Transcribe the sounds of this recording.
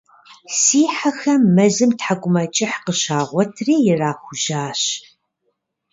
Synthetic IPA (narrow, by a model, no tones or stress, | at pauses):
siːħaxɐmːɐzɨmtħaɡʷʼʊmɐt͡ʃʼɪħqəɕaːʁʷɔtʰreːjɪraːxʷʊʒaːɕ